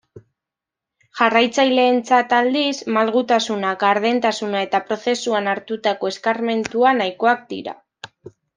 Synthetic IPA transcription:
ʝarajt͡sajle̞ːnt͡sat̪ald̪ismalɣut̪asunakaɾðe̞nt̪asunae̞t̪apɾo̞θe̞suanaɾt̪ut̪ako̞e̞skarme̞nt̪uanajko̞ak̚d̪ḭɾa̰

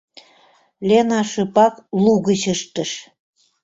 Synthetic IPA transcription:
lʲenɑʃɤ̆pɑkluɣət͡ɕəʃt̪ə̆ʃ

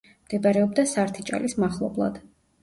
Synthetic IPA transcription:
md̪̥ɛbaɾɛɔbd̪asaɾt̪ʰit͡ʃʼa̰lismaχlˠɔblˠa̰d̪̥

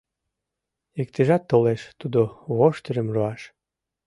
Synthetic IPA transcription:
ek̚t̪eʒɑt̪ːoleʃt̪ud̪oβoʃt̪əɾəmroɑʃ

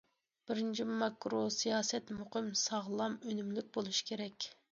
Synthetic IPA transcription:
b̥ɪɾɪnt͡ʃʰimɑkːɾosijɑːsɛt̪moqʰəmsɑʁlˠɑmønymlyk̚ʲbolˠuʃkʲʰeɾɛkʲ

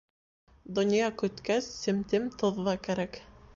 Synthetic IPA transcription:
d̪ŏnjɑkɵ̆t̪kæsːɘ̆mt̪ɘmt̪ŏðːɑkæɾæk

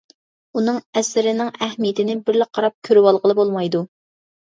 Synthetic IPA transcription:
unɨŋɛsɪɾɪnɪŋɛhmijet̪ʰɪnɪbɪɾlɪq̚qʰːɑɾɑp̚kʲʰøɾywɑlˠʁəlˠɨbolˠmɑjd̪u

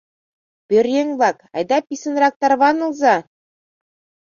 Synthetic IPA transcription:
b̥ʲɵ̆ɾʲjɘŋblˠɑkɑ̰jd̪ɑpʲisɘ̆nɾɑk̚t̪ɑrβɑnɤ̆lˠzɑ

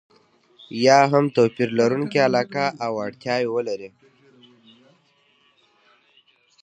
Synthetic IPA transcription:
jɑɦamt̪opiɾlaɾuŋkialɑːkaʔawaɽt̪jɑːjewəlaɾi

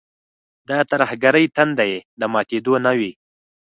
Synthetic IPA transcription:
d̪ɑt̪aɾhɡaɾəjt̪and̪ajed̪əmɑt̪ed̪onawi

